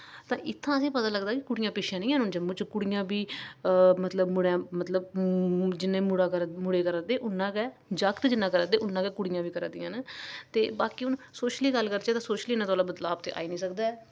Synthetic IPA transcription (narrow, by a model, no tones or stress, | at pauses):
t̪ãːʔɪt̪ʰːãːəsĩːpət̪aːləɡd̪aːkɪkʊɽɪjãːpɪʃʰjãːnĩːãːnʊnd͡ʒəmũːt͡ʃkʊɽɪjãːbiː | mət̪ləbmʊɽãːmət̪ləb | d͡ʒɪnːẽːmʊɽaːkəɾmʊɽeːkəɾaːd̪eːʔʊnːãːkɛː | d͡ʒəkt̪d͡ʒɪnãːkəɾad̪eːʔʊnːãːkɛːkʊɽɪjãːʋiːkəɾãːd̪ɪjãːnːt̪eːbaːkiːʊnsoːʃliːɡəlːkəɾd̪eːt̪ãːsoːʃliːnãːt̪oːlaːbət̪laːbt̪ḛːʔa̰ːiːnĩːsəkd̪aːɛː